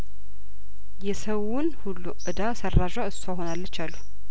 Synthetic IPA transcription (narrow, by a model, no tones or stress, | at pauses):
jɛsəwunhulːuʔɨd̪asərːaʒwaɨsaɦonalːət͡ʃːalːu